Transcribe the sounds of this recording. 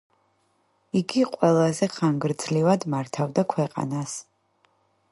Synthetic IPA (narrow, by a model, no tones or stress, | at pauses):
iɡiqʼwɛlˠazɛχaŋɡɾd̪zlivad̪maɾt̪ʰavd̪akʰwɛqʼa̰nas